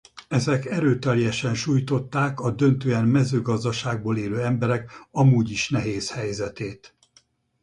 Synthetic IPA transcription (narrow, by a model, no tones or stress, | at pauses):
ɛzɛkɛɾøːt̪ɛljɛʃɛnʃuːjt̪o̞t̪ːaːkɒd̪ø̞nt̪øːɛnmɛzøːɡɒzd̪ɒʃaːɡ̚boːleːløːɛmbɛɾɛkɒmuːɟiʃnɛɦeːshɛjzɛt̪eːt̪